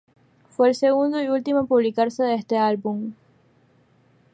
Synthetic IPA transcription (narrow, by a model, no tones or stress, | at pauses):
fwelseɣund̪oiult̪imapuβlikaɾseðeest̪ealbum